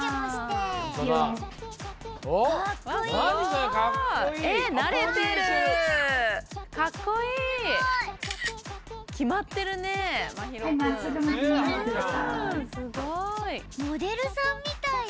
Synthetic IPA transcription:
a | kβao | aenaɾe̞t̪eɾɯɯ | kʰakːo̞iː | kʲʰimat̪ːe̞ɾɯ̟nemaçiɾomsɨd̪oma | sɨɡoimod̪e̞ɾɯ̟sãmːʲit̪ai

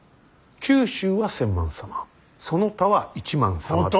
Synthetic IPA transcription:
kʲɨːɕɨːβasẽ̞mːã̰ɰ̃sama | so̞no̞t̪aβait͡ɕimãɰ̃sama

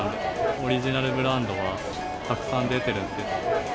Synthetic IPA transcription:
o̞ɾʲiʑinaɾɯ̟bɯ̟ɾãnd̪o̞βa | k̪akɯ̟̥sãnd̪e̞t̪e̞ɾɯ̟̃nse̥

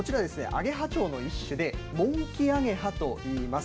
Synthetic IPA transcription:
ot͡ɕiɾad̪e̞sɨne̞̰ʔa̰ɡe̞ɦat͡ɕo̞ːno̞iɕːɨd̪e̞mõ̞ŋkʲiaɡe̞ɦat̪o̞iːmas

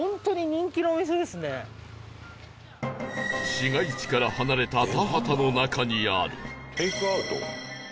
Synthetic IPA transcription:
õnt̪o̞ɲ̟iɲ̟ĩŋkʲinoːmʲis̬od̪e̞sɨne̞ | ɕiŋait͡ɕi̥kaɾahanaɾe̞t̪at̪aɦat̪ano̞nakaɲ̟ia̰ɾɯ̟t̪ejkɯaɯ̟t̪o̰

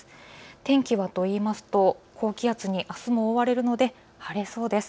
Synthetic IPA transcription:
t̪ẽ̞ŋkʲiβat̪o̞iːmasɨ̥t̪o̞kʰo̞ːkʲiat͡sɨɲ̟iʔasɨmo̞ːβaɾe̞ɾɯ̟no̞d̪e̞ | haɾe̞so̞ːd̪e̞sɨ̥

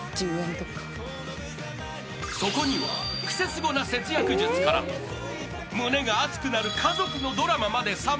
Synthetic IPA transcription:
d͡ʑɯːẽnt̪okːḁ | so̞ko̞ɲ̟iβa̰kɯ̟̥se̞t͡sɨɡo̞nase̞t͡sɨjakɯ̟ʑɨt͡sɨ̥kaɾa̰ | mɯ̟ne̞ɡaːt͡sɨ̥kɯ̟naɾɯ̟kʰazo̞kɯ̟no̞d̪o̞ɾamamad̪e̞sa

